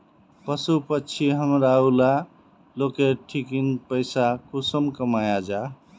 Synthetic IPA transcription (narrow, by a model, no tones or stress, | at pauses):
pəsupətːt͡ʃʰiɦəmɾaula | lokeʈʰikinpəɪsakusəmkəmajad͡ʒa